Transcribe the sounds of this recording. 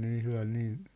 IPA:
ne ihlɑn niː

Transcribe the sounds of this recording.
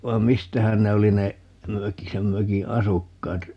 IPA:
ʋɑi̯m mistæhæn ne oli ne møki sem møki ɑsukːɑːt

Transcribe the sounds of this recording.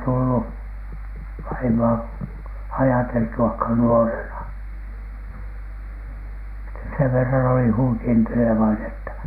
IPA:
tulːu ʋɑimoɑ ɑjɑteltuɑkhɑn nuorenɑ sitæ seʋ ʋerːɑn oli huikenteleʋɑinen etːæ

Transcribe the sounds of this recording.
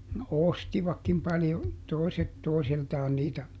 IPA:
no ostiʋɑkːim pɑljo toˑi̯set toisiltɑːn niːtæ

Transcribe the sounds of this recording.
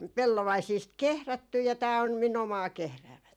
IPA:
pelːoʋɑisiːst kehrætːy jɑ tæː om min omɑː kehræːmætæin

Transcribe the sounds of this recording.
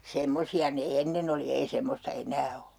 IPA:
semːosiɑ ne enːen oli ei semːostɑ enˑæː o

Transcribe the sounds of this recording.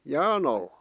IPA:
jæːn ɑlːɑ̥

